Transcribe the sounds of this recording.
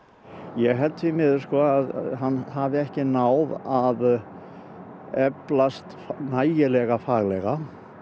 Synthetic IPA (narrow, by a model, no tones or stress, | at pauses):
jɛɣɦɛlt̪vɪmɪðʏskɔaðɦanːhavɪɛhcɪnaːwðað | ɛplast̪fnaːjjɪlɛɣafaːɣlɛɣa